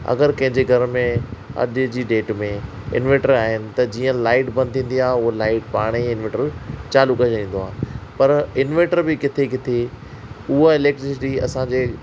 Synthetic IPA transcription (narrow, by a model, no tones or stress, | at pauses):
ɐ̰ɡəɾkɐ̃ɦɪ̃ɲd͡ʑeɡʱɐɾmẽɐ̰ʄʊd͡ʑiːɖeːʈmẽ | ɪ̰nʋẽːʈəɾaːɦɪnɪ̆t̪ɐd͡ʑiːə̃laːɪʈbɐ̃nd̪ʰĩːnd̪iãɦʊɦolaːɪʈpaːɽ̃iɪnʋẽːʈəɾt͡ɕaːlukɐd͡ʑĩːnd̪oaːpɐɾɪnʋẽːʈəɾbɪkɪt̪ʰekɪt̪ʰe | ʊɦaɪleːk̚ʈɾɪsɪʈiɐ̰sãd͡ʑeː